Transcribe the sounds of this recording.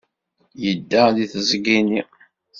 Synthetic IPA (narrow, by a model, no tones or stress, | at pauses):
jəd̪ːæðiθzɡini